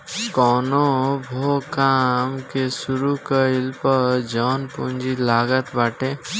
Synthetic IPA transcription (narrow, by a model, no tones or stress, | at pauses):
kɔːnobʱokaːmkesʊɾukəɪlpəɾd͡ʒɔːnpund͡ʒilaːɡət̪baːʈeː